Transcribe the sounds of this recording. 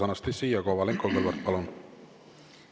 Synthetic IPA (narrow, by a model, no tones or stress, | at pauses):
ɑnɑst̪esːiːjɑkoːvɑleŋkoɡelvɑɾt̪̚pɑlun